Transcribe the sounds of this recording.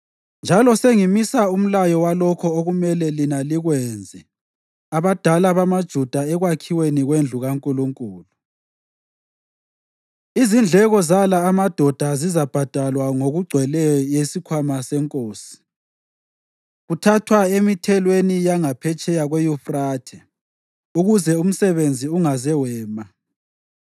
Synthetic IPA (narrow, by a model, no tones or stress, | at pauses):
nd͡ʒʱalɔseŋimisaum̩lajɔwalɔkʰɔoɣumɛlɛlinaliɣwɛnd͡zʱɛ | aβad̥ʱalaβamad̥ʒ̥ʱud̥ʱaɛɣwakʰiweniɣwend͡ɮʱuɣaŋkʼuluŋkʼuːlu | izind͡ɮʱɛɣɔzalaːmad̥ʱɔd̥ʱazizab̥ʱad̥ʱalwaŋoɣuɡ͡ǀʱwɛlɛjɔjesikʰwamasɛŋkʼoːsi̥ | ɣutʰatʰwaemitʰɛlwenijaŋapʰɛt͡ʃʼɛjaɣwejufraːtʰɛ | uɣuzɛum̩sɛβend͡zʱiuŋazɛwɛːma